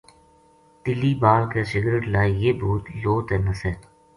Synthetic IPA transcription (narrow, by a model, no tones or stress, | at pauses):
t̪ɪliːbaːlkeːsɪɡɾeʈlaːjjeːbuːt̪loːt̪eːnəseː